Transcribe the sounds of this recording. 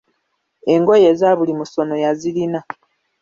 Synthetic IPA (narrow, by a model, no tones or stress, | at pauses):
e̞ŋɡo̞je̞zaβulimuso̞no̞jazilina